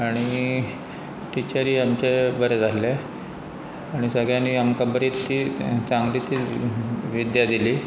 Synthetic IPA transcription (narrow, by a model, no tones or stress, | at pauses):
aɽ̃i | ʈit͡ɕəɾiːamt͡ɕebəɾɛd͡zʱale | aɽ̃isəɡjaniamkabəɾit̪ːiːt͡saŋɡlit̪iː | ʋid̪jad̪iliː